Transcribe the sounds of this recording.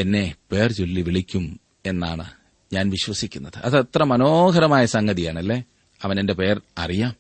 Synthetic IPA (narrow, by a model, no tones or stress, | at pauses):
enːe̞pe̞ːrt͡ɕolːiʋiɭikʲːum | e̞nːa̰ːɳɨ | ɲaːnʋiɕʋɐsikʲːunːɐðɨʔɐðɐt̪rɐmɐnoːɡɐɾɐmaːjɐsɐŋɡɐðijaːɳɐlːe̞ː | ɐʋɐne̞nde̞pe̞ːrɐrijaːm